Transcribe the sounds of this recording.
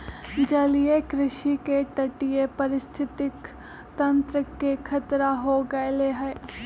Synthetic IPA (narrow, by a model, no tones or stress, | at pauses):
d͡ʒɐlijekɾɪʃikeʈɐʈijepɐɾɪst̪ʰɪt̪ɪk | t̪ɐ̃nt̪ɾəkekʰɐt̪ɾaɦoɡɐeleɦɛe